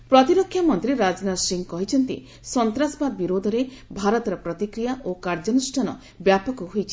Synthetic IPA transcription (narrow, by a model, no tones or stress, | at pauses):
pɾɔt̪iɾɔkʰːjamɔnt̪ɾiɾad͡ʒnasiŋkɔɦit͡ʃʰɔnt̪ḭ | sɔnt̪ɾasbad̪̚biɾod̪ʱɔɾe | bʱaɾɔt̪ɔɾɔpɾɔt̪ikɾijaʔokaɾd͡ʒɔnusʈʰanɔ̰ | bjapɔkɔɦojt͡ʃʰi̥